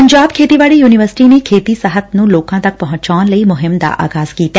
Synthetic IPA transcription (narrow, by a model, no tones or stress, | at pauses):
pɐɲd͡ʒaːb̚kʰeːt̪iʋaːɭijuːnɪʋəɾsɪ̥ʈinekʰeːt̪isɐɦət̪̚nũloːkãt̪ɐk̚pɐɦʊ̃t͡ʃaːnlɐimʊɦɪmd̪a̰ʔa̰ːɡaːskiːt̪ː